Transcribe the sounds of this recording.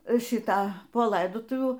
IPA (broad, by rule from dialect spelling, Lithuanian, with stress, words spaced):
ˈʃʲiːtɐ poː ˈlˠɐɪdoːtʊʋʲuː